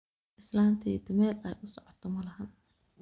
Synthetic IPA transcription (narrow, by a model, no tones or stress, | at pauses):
ʔɪslaːnt̪ʰɐd̪ɪmɛːlɛjʔʊsɔʕɔt̪ʰɔmɐlɐɦɐn